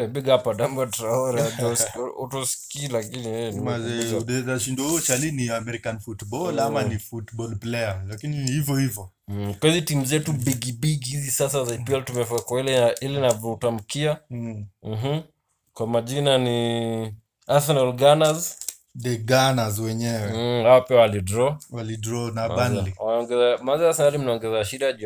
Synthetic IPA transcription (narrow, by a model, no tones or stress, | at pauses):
ɛbiɡapadambatɾaɔɾdɔsɔ̰tɔskilakiniɛimazɛdɛzaʃindɔuɔt͡ʃaliniamɛɾikanfutbɔlamanifutbɔlplɛalakinihivjɔhivjɔ | kwaizitimuzɛtubiɡibiɡhizisasazaipiɛltumɛfakwailɛaʔilinavɔutam̩kia | m̩ɦm̩ | kwamaʄinani | aθɔnalɡanaz | dɛɡanazwɛɲɛwɛhaɔpiawalidɾɔwalidɾɔnabanliaɔŋɡɛzamazaasanalim̩naɔŋɡɛzaaʃidaʄ